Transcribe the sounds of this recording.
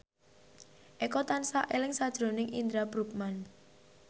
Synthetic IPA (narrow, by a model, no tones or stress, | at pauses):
ʔekɔt̪ansaʔelɪŋsad̥ʒ̥ɾo̤nɪŋʔind̪ɾabɾup̚man